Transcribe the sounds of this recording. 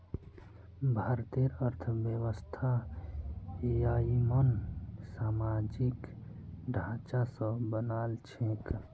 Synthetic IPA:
bʱaːɾt̪eɾəɾt̪ʰbjəwəst̪ʰa | jaːimənsaːmaːd͡ʒik | ɖʱãːt͡ʃasəbənaːlt͡ʃʰẽk

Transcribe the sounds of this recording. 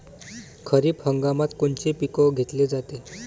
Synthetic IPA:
kʰəɾiːphəŋɡamat̪koɳt͡ɕepikɔɡʱet̪led͡zat̪e

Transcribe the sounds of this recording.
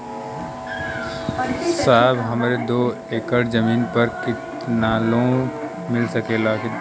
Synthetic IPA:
saːbɦəmɾed̪oː | eːkəɽd͡ʒəmiːnpəɾkɪt̪ | nalõː | mɪlsəkelaːki

